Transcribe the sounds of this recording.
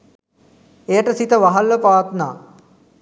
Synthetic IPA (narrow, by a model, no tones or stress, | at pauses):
ejəʈəsit̪əʋaɦɐlːəpaːt̪na̰ː